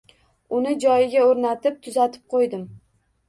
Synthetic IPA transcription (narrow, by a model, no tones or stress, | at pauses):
ʊnɪd͡ʒɒjɪɡʲaoɾnat̪ɪp̚t̪ʰʊzat̪ʰɪ̥p̚qʰojd̪ɪm